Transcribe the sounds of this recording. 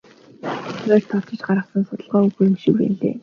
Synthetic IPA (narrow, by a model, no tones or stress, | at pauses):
æːrt̪ʰɔt̪ɪ̆t͡ɕɢaɾə̆sə̆nsʊt̪ə̆ɮʁœːɵxɵ̆rɘ̆mʃĭkwḛːnɮḛː